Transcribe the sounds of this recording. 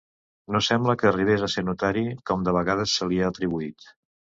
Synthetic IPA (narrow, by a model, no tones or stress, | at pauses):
nosɛmbləkəːriβ̞ezəseɾnut̪aɾikɔmd̪əβəɣað̞əsːəliəːt̪ɾiβ̞uit̪